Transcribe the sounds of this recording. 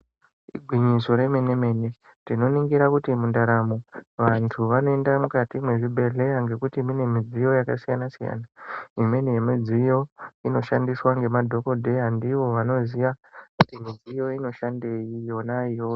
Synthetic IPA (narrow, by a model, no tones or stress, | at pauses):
iɡʱwiɲiso̞ɾe̞mene̞me̞ne̞ | tino̞niŋɡiɾakutimundaɾamo̞ʋantʰuʋano̞e̞ndamukatimwe̞ʐibʱe̞ɮe̞jaŋɡe̞kutimune̞mid͡zijo̞jakasijanasija̰ːnaimwenejemid͡zijo̞ino̞ʃandiswaŋɡe̞madʱo̞ko̞dʱe̞andiʋo̞ʋano̞zijakutimid͡zijo̞ino̞ʃande̞jijo̞naijo